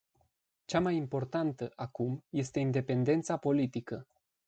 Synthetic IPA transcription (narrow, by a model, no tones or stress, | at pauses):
t͡ʃamajimpo̞rt̪ant̪əʔakumje̞st̪e̞ind̪e̞pe̞nd̪e̞nt̪sapo̞lit̪ikə